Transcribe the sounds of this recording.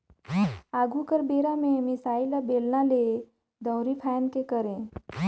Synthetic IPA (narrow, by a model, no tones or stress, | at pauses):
aːɡukəɾbeːɾamẽmɪsaːɪlabeːlnale | d̪əwɾipʰɛːnkekəɾẽː